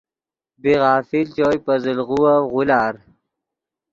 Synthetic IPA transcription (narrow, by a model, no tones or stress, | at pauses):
biɣaːfilt͡ɕoːjpɐzilʁuwaɣulaːɾ